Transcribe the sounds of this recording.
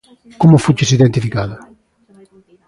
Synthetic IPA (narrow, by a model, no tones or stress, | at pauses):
komʊfut͡ʃɪsiðent̪ifikaðʊ